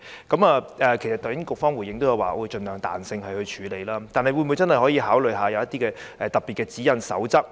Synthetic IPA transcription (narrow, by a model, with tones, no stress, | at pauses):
kɐ˨˥maː˨ʔɛː˨˩kʰe˨˩jsɐ˨t̪ɔː˨˩jɪ˨˥nkʊ˨k̚fɔː˥ŋwuː˨˩jɪ˨˧ŋt̪o˥wjɐ˧wa̰ː˨ʔɔ˧jt͡ʃɵ˨˧nlœː˨˩ŋt̪a̰ː˨nsɪ˧ŋhɐ˨jhɵ˧t͡ʃʰyː˨˥le˨˧jlaː˥t̪aː˨nhɐ˨jwu˨˧nmuː˨˧t͡sɐ˥nhɐ˨jɦɔː˨˥jiː˧ɦaː˨˥wlɵ˨jɦaː˨˧jɐ˨˧wjɐ˥t̪iː˥kɛː˧ | ʔɛ˨˧t̪ɐ˨˩pːiː˨t̚kɛː˧t͡siː˨˥jɐ˨˧nsɐ̰˨˥wt͡sɐ˥k̚